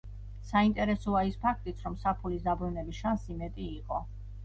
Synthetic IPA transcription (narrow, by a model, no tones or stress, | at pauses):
saint̪ʼɛɾɛsɔaispʰakʰt̪ʼit̪sʰɾɔmsapʰulisd̪abɾunɛbisʃansimɛt̪ʼiːqʼɔ